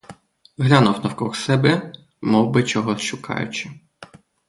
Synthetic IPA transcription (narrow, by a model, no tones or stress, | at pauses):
ɦlʲanʊwnɐwkɔxsɛbɛ | mɔwbɪt͡ʃɔɦɔʃʊkʰɑ̰jʊ̰t͡ʃɪ